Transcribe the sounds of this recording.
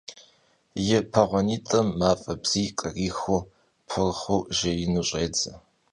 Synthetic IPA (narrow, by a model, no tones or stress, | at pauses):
jɪpʰɐʁʷɔniːtʼɐmːaːfʼɐbz̥iːkʼɐriːxo | pʰɨrχowʒɐjɪnuɕʼeːd͡zɐ